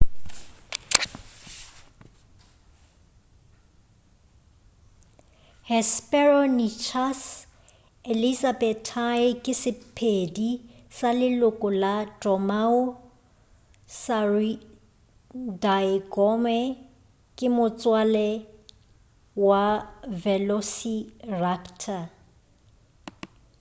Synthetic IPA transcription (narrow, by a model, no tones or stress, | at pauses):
hɛspʼɛrɔnit͡ʃʰas | elisabɛtʰaɪkʼɪsɪpʰedi | salɪlʊkʼʊlatɔmaʊ | sari | daɪkʼɔmɛ | kʼɪmʊt͡sʼwalɛ | wavɛlosirakʰtʰa